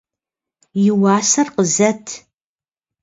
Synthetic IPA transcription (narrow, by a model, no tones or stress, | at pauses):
jɪwaːsɐrqəzɐtʰ